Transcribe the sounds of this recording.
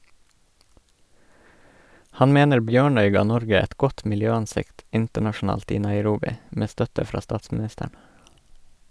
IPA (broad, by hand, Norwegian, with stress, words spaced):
ˈhɑn ˈmeːnəɾ ˈbjøːɳœʏ ˈɡɑː ˈnɔɾɡə ˈɛt ˈɡɔt mɪlˈjøːɑnˌsɪkt ˈɪntəɳɑʃn̩ˌɑːlt ˈiː nɑɪˈɾuːbɪ ˈmeː ˈstœtə ˈfɾɑː ˈstɑːtsmɪˌnɪstəɳ